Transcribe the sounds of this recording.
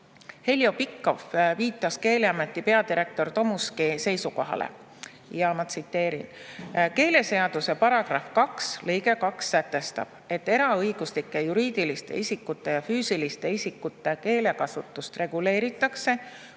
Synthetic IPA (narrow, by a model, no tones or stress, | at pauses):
he̞ljo̞pikːo̞fviːt̪ːˑɑske̞ːleɑme̞t̪ːˑipe̞ɑd̪iɾe̞k̚t̪o̞rt̪o̞muskise̞jsuko̞ɦɑ̰lḛ | jɑmɑsit̪ːe̞ːɾinke̞ːle̞se̞ɑd̪use̞pɑɾɑɡ̥rɑfkɑkslɤjɡe̞kɑksːæt̪ːˑe̞st̪ɑ̰b̥̚e̞t̪ːe̞ɾɑɤjɡ̥uslikːˑe̞juɾiːd̪̥ilist̪e̞̰isʲikːˑut̪ːˑe̞jɑfyːsilist̪e̞isʲikːut̪ˑːe̞ke̞ːle̞kɑsut̪ːˑust̪re̞ɡ̥ule̞ːɾit̪ːˑɑkse̞